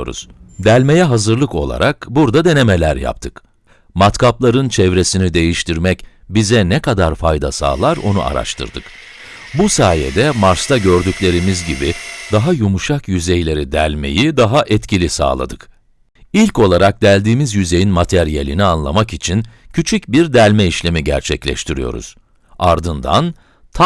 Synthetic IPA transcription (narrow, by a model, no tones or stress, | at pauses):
o̰ɾṵz̥d̪ælʲmejɛɦazɯɾlˠɯko̞̰lˠa̰ɾʔakbuɾd̪ad̪e̞ne̞melʲæɾja̰p̚t̪ʰɯk | mat̪kaplˠaɾɯnt͡ʃʰɛvɾe̞sinid̪e̞jiʃt̪ʰiɾmɛc | bizɛnɛkad̪aɾfajd̪a̰sa̰ːlˠaɾo̞̰nṵʔa̰ɾa̰ʃt̪ʰɯ̰ɾd̪ɯk | busaːjḛd̪ɛmaɾst̪ʰaɟøɾd̪ycʲlʲe̞ɾimizɟibid̪aɦajumuʃakjyzejlʲe̞ɾid̪ælʲme̞̰jid̪aɦaʔɛt̪cʰilʲisa̰ːlˠa̰d̪ɯk | ilʲco̞lˠaɾak̚d̪ælʲd̪iːmizjyze̞jinmat̪ʰɛɾijelʲinianlˠamakit͡ʃʰincʰyt͡ʃʰycbiɾd̪ælʲmɛiʃlʲe̞miɟæ̰ɾt͡ʃʰɛclʲɛ̰ʃt̪ʰiɾijo̞̰ɾṵz̥ | aɾd̪ɯnd̪a̰n | t̪ʰ